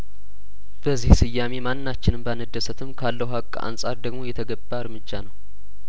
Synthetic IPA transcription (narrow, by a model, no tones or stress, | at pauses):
b̥əzːihsɨjːame̞mannːat͡ʃːɪnɨmbəanəd̪ːəsət̪ʰɨmkʰalːəhakʼːa̰nsʼa̰ɾd̪əɡmo̞jɛt̪ʰəɡəbːaɨɾmɨd͡ʒːanəw